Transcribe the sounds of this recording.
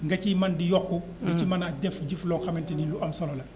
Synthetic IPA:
ŋɡɐcimɐndijɔkːu | diimɐnadɛfɟiflɔːnxɐmɛntiniluʔɐmsɔlɔlɐ

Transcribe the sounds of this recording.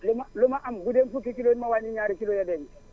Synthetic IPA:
lomalomaʔambudenfuk̬ikilomawaniɲaːɾikilojadeni

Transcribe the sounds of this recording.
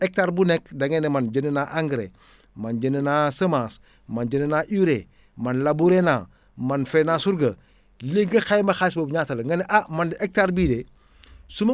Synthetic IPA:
ek̚taɾbunekdaŋenemand͡ʒənənaʔaŋɡɾḛ | mand͡ʒənənasəmas | mand͡ʒənənaʔiɾe | manlabuɾena | manfenasuɾɡɐ | leɡɐxajmɐxasbɐbɲaːtɐlŋɡɐniʔamandiʔek̚taɾbide | sumɐ

